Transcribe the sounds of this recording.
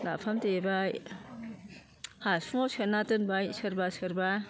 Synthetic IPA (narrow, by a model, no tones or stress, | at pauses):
na̰pʰamtebaj | hasmosɯnatɯnbajsɯɾbasɯɾba